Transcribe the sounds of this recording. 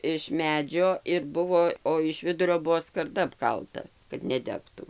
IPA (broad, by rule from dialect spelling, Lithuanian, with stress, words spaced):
ɪʃ ˈmʲæːd͡ʒʲoː ɪr ˈbʊʋoː oː ɪʃ ˈʋʲɪdʊrʲoː ˈbʊʋoː skɐrˈdɐ ɐpˈkɐlˠtɐ kɐt nʲɛˈdʲæːktʊ